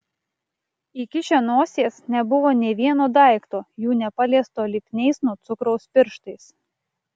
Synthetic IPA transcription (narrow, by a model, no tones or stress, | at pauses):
ɪkʲɪʃʲɛnoɔsʲeːsnʲɛbʊʋoːnʲeʋʲiɛnoːd̪ɑˑɪkt̪oːjuːnʲɛpɐlʲɛst̪oːlʲɪpʲnʲɛɪsnɔt̪sʊkɾɔʊspʲɪɾʃt̪ɐɪs